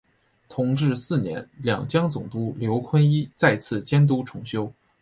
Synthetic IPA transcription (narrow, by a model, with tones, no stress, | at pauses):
t̪ʰʊ˧˥ŋʈ͡ʂɻ̩˥˧sɹ̩˥˩njɛ̰˧˥nljɑ̰˨˩ŋt͡ɕjɑ˥ŋt͡sʊ˨˩ŋt̪u˥ljo˧˥ʊkʰwə˥ni˥t͡sa˥˧ɪt͡sʰɹ̩˥˩t͡ɕjɛ˥nt̪̬u˥ʈ͡ʂʰʊ˧˥ŋɕjo˥ʊ